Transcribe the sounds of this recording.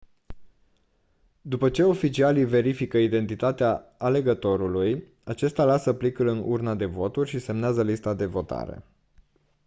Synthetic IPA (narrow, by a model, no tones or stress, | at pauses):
d̪upət͡ʃe̞o̞fit͡ʃialive̞ɾifikəid̪e̞nt̪it̪at̪eaːle̞ɡət̪o̞ɾuluj | at͡ʃe̞st̪alasəplikɨlɨnṵrnad̪e̞vo̞t̪urʲʃise̞mneazəlist̪ad̪e̞vo̞t̪a̰ɾḛ